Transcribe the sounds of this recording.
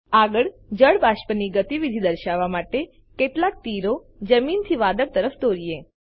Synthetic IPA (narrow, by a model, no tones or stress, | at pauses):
aɡəɭd͡ʒəɭbaʃpəniɡət̪iʋid̪ʱid̪əɾʃaʋːamaʈe | keʈlak̚t̪iɾo | d͡ʒəmint̪ʰiʋad̪ək̚t̪əɾəfd̪oɾie